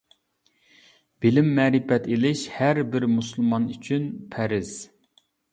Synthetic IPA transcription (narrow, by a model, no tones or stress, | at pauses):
b̥ɪlɪmːɛːɾɪfɛt̪ʰelɪʃhæɾbɪɾmusulˠmɑnyt͡ʃʰynpʰɛɾɪz̥